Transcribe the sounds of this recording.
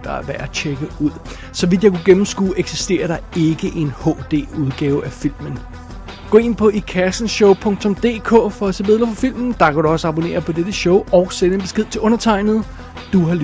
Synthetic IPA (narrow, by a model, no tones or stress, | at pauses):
d̥ɑ̈ʋææt͡ɕʰeɡ̥əuð̰ˠ | sɒ̽ʋid̥jɑkʰuɡ̥emm̩sɡ̥ṵːeɡ̥sisd̥e̝̰ːɐɾ̥ɑ̈e̝ɡ̥əʔe̝nhɔ̰ːd̥e̝̰ːuðˠɡ̥ɛːʊæfil̰mən | ɡ̥ɔ̰ːe̝n̰pʰɒ̽ʔikʰæsn̩ɕɔʊpʰɔ̽ŋ̰t͡sʰɔ̽md̥e̝̰ːkʰɔ̰̽ːfɒ̽æsebeð̰ˠlˠɐfɒfil̰mn̩d̥ɑ̈kʰæɾ̥uɒ̽səɑ̈b̥one̝̰ːɐpʰɒ̽d̥ed̥əɕɔʊʔɒ̽ʊsenəenb̥e̝sɡ̥e̝ð̞̰ˠt͡sʰe̝ʔɔ̽nɐt͡sʰɑ̈ɪ̰nð̩ˠ | d̥uɦɑ̈l